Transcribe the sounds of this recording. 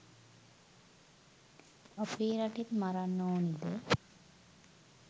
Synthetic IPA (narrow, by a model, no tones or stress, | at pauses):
əpiːɾaʈit̪maɾanːoːnid̪e